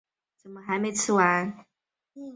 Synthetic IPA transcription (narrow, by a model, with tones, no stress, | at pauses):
t͡sə˨˩nmə˧˦xa˧˥ɪme˧˥ɪt͡sʰɻ̩˥˩wa˧˥n